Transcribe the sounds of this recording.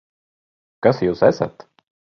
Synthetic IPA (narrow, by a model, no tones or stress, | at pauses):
kasjuːsæsa̰t̪